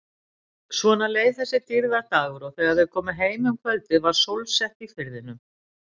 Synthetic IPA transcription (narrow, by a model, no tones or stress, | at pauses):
svɔːnaleːjðθɛsːɪt̪ɪɾðat̪aːɣʏɾɔɣθɛɣaðvɛðkʰɔːmɪɦeːjmʏmkʰvœlt̪ɪvaɾ̥sowlsɛht̪ifɪɾðɪnʏm